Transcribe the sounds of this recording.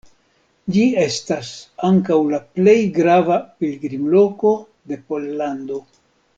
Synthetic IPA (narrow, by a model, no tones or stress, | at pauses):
d͡ʒie̞stasaŋkawlaple̞jɡɾavapilɡɾimlo̞ko̞ | de̞po̞lːando̞